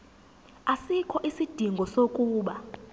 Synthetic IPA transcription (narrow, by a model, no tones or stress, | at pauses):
asikʰɔʔisid̥ʱiŋɡʱɔsokʼuːɓa